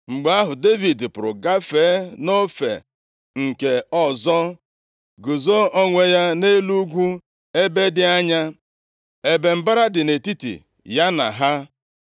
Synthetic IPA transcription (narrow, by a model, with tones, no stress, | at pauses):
ŋ͡m̩˨ɡ͡ba˦ɦʊ˨de˦vi˨dpʊ˨ɾʊ̰˨ɡa˦feː˨˦no˦fḛ˨ | ŋ̩˨ke˨ɔ˦zɔ˦ | ɡʊ˨zo˦ɔ˦ŋʷe˦ja˦ne˦lu˦ɡʷu˦ | e˦be˦dɪ˦a˦ɲa˦ | e˨be˨m̩˨ba˦ɾa˦dɪ˨ne˨ti˦tḭ˨ | ja˦na̰˨ɦa˦